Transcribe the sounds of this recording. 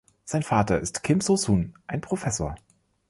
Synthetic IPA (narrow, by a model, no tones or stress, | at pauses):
z̥aɪnfaːtɐɪstkʰɪmsosuːnʔaɪnpʁ̥ofɛsoːɐ